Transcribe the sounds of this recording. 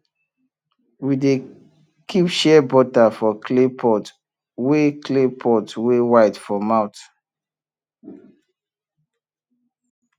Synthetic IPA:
wide | kʰipʃɛbɔtafɔkʰlepʰɔt | weklepʰɔtwewaɪdfɔmãwt

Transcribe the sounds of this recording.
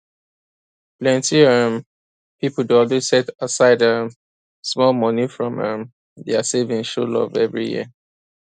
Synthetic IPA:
plɛ̃ntiəm | pipl̩deɔldisɛtasaɪdə | smɔlmɔnifɹɔ̃mə̰̃m | deasevɪ̃ŋʃolɔ̰vɛ̰vɹijḭə

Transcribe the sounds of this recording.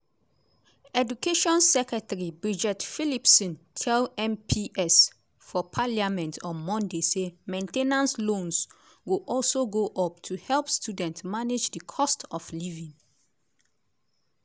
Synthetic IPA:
ɛdukeʃɔ̃nsɛkɹɛtaɹibɹid͡ʒɛtfilipsɔ̃ntʰɛlɛ̃mpʰiʔɛs | fɔpʰaliamɛ̃ntʰɔ̃nmɔ̃ndesemẽntenãnslõns | wiʔɔlsoɡoʔɔp̚tʰuhɛlˠpstʰudɛ̃ntmaned͡ʒdəkʰɔstɔflivĩŋ

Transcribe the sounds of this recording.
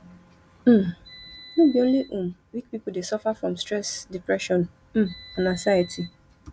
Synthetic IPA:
m̩ | nũbiõnliʔũmwik̚pipudesɔfafɹɔ̃mstɹɛsdipɹɛʃɔ̃n | m̩mãnãsajatʰi

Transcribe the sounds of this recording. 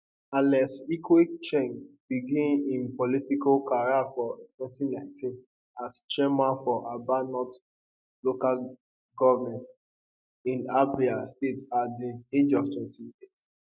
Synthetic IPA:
ãnlɛsikwet͡ʃɛ̃ŋbiɡĩnĩnpɔlitikakaɹiafɔtwɛ̃ntinãɪ̃ntʰĩn | ast͡ʃɛmafɔʔabanɔt | lokal | ɡɔvamɛ̃nt | ĩnabiastetadĩed͡ʒɔv̥tʰwɛ̃ntiet

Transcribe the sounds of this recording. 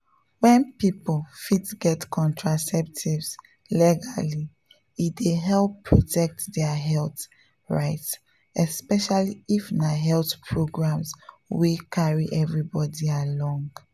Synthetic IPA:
wɛ̃npiplfitɡɛtkʰɔ̃ntʰɹasɛp̚tʰivs | lɛɡali | ideɦɛlˠpʰːɹɔtʰɛk̚tdɛaɦɛlt | ɹaɪts | ɛspɛʃaliifnaɦɛltpʰɹoɡɹãms | wikʰaɹiʔɛvɹibɔdialɔ̃ŋɡ

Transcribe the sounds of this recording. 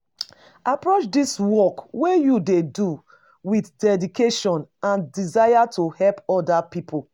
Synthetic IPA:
apɹot͡ʃdiswɔkwejudedu | wiθdɛdikeʃɔ̃nãndizajatʰuhɛlpɔdapipʰo

